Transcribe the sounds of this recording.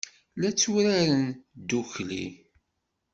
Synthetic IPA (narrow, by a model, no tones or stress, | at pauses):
læt͡sːuɾaɾənd̪uçlḭ